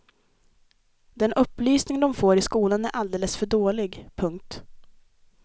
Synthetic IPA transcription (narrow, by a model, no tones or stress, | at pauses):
d̪ɛnʔɵpːlyːsnɪŋd̪ɔmfoːɾɪskuːlanæɾʔald̪eːləsfœɖoːlɪɡpʰɵŋk̚t̪